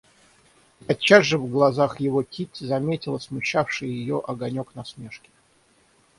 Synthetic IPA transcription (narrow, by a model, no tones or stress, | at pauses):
ɐt͡ɕːazʐɨvɡlˠɐzaxjɪvokʲʰitʲzɐmʲetʲɪlˠəsmʊɕːafʂɨjjɪjoʔɐɡɐnʲoknɐsmʲe̞ʂkʲɪ̥